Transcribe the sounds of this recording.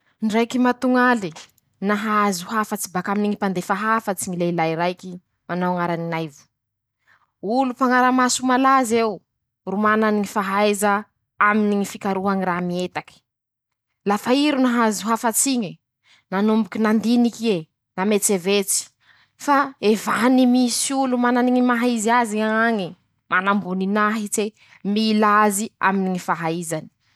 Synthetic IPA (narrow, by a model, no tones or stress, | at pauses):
nrajkimat̪uŋali | naɦazuɦafət͡sibakaminiɲipand̪efaɦafət͡siɲileilajiɾajki | manawŋaɾaninajvu̥ | ulupaŋaɾamasumalazew | rumananiŋifaɦajzə | aminiŋifikaɾuɦaŋiɾamiet̪aki̥ | lafaiɾunaɦazuɦafat͡siɲə | nanumbukinand̪inikie | namet͡sevet͡si̥ | faevanimisiulumananiŋimaɦaiziaziaŋaŋi | manambuninaɦit͡se | milazia̰miniŋifaɦaizani̥